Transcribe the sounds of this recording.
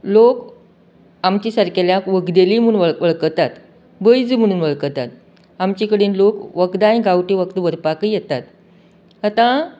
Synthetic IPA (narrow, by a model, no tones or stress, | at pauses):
lok | amt͡ɕisaɾkeljãkʋəkd̪elim̤ənʋəɭʋəɭkət̪at̪ | bəjd͡zim̤əɽ̃uːnʋəɭkət̪at̪̚ | amt͡ɕikəɽeːnlokʋəkd̪aĩɡawʈiʋəkt̪əʋəɾpakijɛt̪at̪ | at̪ã